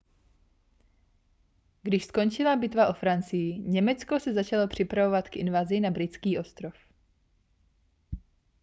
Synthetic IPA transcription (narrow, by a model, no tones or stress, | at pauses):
ɡdɪʃsko̞nt͡ʃɪlabɪt̪vaʔo̞fɾant͡sɪjɪɲɛmɛt͡skosɛzat͡ʃalo̞pr̝̥ɪpɾavo̞vat̪kʔɪ̰nvazɪnabɾɪt͡skiːʔo̞st̪ɾof